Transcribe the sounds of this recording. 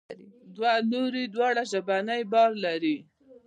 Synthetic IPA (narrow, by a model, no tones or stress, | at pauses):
id̪waloɾid̪wɑɽaʒabanəjbɑɾlaɾi